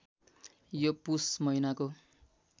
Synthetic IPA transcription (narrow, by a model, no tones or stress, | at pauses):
jopusmʌinako